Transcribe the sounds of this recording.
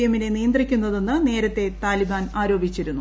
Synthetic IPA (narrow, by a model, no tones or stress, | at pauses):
jɐminenijɐnd̪rikʲːunːɐðo̞nːɨne̞ːɾɐt̪ːe̞t̪aːlibaːnaːɾo̞ːbʱit͡ɕːiɾunːu